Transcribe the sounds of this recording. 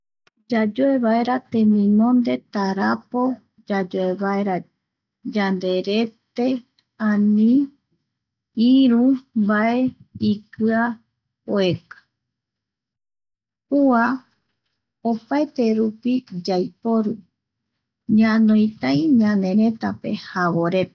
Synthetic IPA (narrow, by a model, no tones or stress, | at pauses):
d͡ʒad͡ʒoe̞βae̞ɾat̪ẽmĩnõnd̪e̞t̪aɾapo̞ | d͡ʒad͡ʒoeβaeɾa | d͡ʒand̪e̞ɾe̞t̪e̞ | ãnĩ | iɾũmbae̞ikɨa | oekḁ | hua | opaet̪e̞ɾupid͡ʒajpo̞ɾu | ɲãnõj̃t̪aj̃ɲãnẽ̞ɾẽ̞t̪ape̞haβo̞ɾe̞p